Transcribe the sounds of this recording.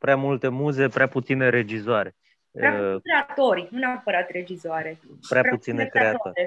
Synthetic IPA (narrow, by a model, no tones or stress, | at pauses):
pɾeamult̪e̞muze̞pɾeaput̪sine̞ɾe̞d͡ʒizoaɾe̞ | ɾat̪oɾʲnuneapəɾat̪re̞d͡ʒizoaɾe̞pɾeaɾput̪sinekɾeae